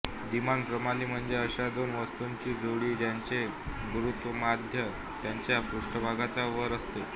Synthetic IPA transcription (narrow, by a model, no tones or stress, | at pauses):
d̪imanpɾəmaliːm̤əɳd͡zeəɕad̪onʋəst̪uɲt͡ɕiːd͡zoɽiːt̪jaɲt͡ɕe | ɡuɾut̪ʋəmad̪ʱjə | t̪jaɲt͡ɕjapuʂʈəbʱaɡat͡saʋəɾəst̪e